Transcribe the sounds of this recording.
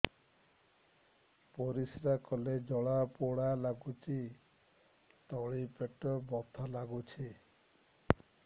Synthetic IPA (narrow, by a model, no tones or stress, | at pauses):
poɾisɾakɔled͡ʒɔɭapoɽalaɡut͡ʃʰi | t̪ɔɭipeʈɔbɔt̪ʰalaɡut͡ʃʰi